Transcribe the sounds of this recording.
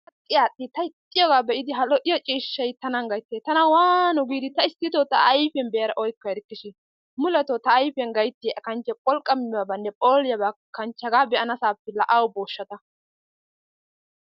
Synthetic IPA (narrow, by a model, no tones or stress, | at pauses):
ɐtʼːɪjaːɗɪt̪ɐɪt̪ʼːɪjɔɡaːbɛʔɪd̪ɪɦɐlɔʔɪjɔt͡ʃʼiːʃːɐjt̪ɐnɐŋɡɐjt̪ːeːt̪ɐnɐwaːnʊɡiːd̪ɪt̪ɐɪst̪ːɪt̪ot̪ɐːjfɛnbɛjɐɾɐʔɔjkːɔjɾɪkːɪʃɪ | mʊlɛt̪ot̪ɐːjfɛŋɡɐjt̪ːɪjɐkɐnt͡ʃːɛpʼɔlkʼːɐmɪwɐbɐnːɛpʼoːlɪjɐbakɐnt͡ʃːɐɡaːbɛʔɐnɐsaːpːɛlɐʔɐwʊboːʃːɐt̪ɐ